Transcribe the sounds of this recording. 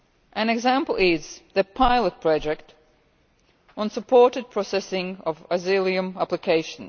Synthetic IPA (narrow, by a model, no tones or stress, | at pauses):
ʔɨ̃nɨɡzæ̃mpl̩ˠɪzðɨpʰaɪlˠət̚pʰɹ̥ɑd͡ʒɛk̚t | ʔə̃nsəpʰɔɹɾɨd̚pʰɹ̥ɔsɛsɪ̃ŋʌvəzɪlˠiɨ̃mæplɨkʰeɪʃə̃n̩